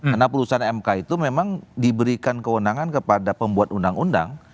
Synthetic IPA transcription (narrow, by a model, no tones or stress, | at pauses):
kanapulusanɛmkait̪umemaŋdibəɾikankəwənaŋankəpadapəmbuat̪undaŋunda̰ŋ